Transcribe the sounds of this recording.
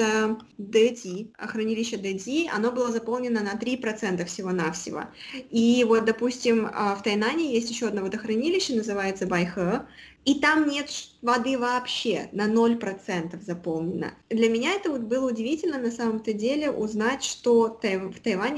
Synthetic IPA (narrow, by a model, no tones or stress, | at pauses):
ə | d̪ɛtʲiɐ̰xɾɐnʲilʲɪɕːəd̪ɛtʲiɐ̰no̞bɨlˠazɐpo̞lˠnʲɪnənɐt̪ɾʲipɾɐt̪sɛnt̪əfsʲɪvo̞nafsʲɪ̰və̰ivo̞t̪̚d̪ɐpusʲtʲɪməft̪ɐjnanʲɪjesʲtʲjɪɕːoɐd̪novɐəd̪əxɾɐnʲilʲɪɕːənəzɨvajɪt̪səbajxə | it̪amnʲe̞t̪ʂvɐd̪ɨvɐːpɕːḛnɐno̞lʲpɾɐt̪sɛnt̪əfzɐpo̞lˠnʲɪnːə̰d̪lʲɐmʲɪnʲaɛt̪əvot̪̚bɨlˠəʊdʲɪvʲitʲɪlʲnənɐsaməmt̪ədʲelʲɪʔʊznatʲʂt̪o̞t̪ɐft̪ɐjvanʲ